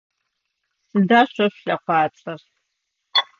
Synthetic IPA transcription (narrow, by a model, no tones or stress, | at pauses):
sɨdaːɕɐɕʷɬɐqʷɑːt͡ʃʼɐr